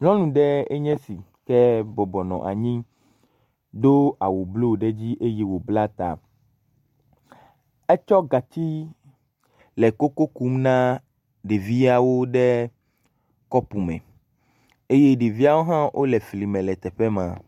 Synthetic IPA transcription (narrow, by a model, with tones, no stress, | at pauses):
ŋɔ̃˦nũ˨ɖɛ˦ɛ˦ɲɛ̃˦si˨ | kɛ˦bɔ˨bɔ˨nɔ̰̃˨ʔa̰˨ɲĩ˦ | d̪o˦a˨wo˨blo˦˨ɖɛ˦d͡ʑi˦ʔe˦je˦wo˨bla˦t̪a̰˨ | ɛ˦t͡ʃɔ˦ɡa˨t̪i˦ | lɛ˨ko˦ko˦ku˦mnã˦ | ɖe˨vi˦a˨wo˦ɖɛ˦ | kɔ˦pu˨mɛ̰̃˨ | e˦je˦ɖe˨vi˦a˦wo˦ɦã˦ʔo̰˦lɛ˨fli˨mɛ̃˨lɛ˨t̪ɛ˨ɸɛ˦mã̰˨